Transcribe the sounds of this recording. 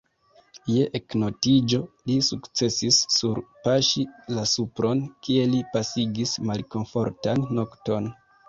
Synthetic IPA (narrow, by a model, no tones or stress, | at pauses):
je̞ʔekno̞tid͡ʒo̞lisukt͡se̞sisːuɾpaʃilasupɾo̞nkie̞lipasiɡismalko̞nfo̞ɾtanːo̞kto̞n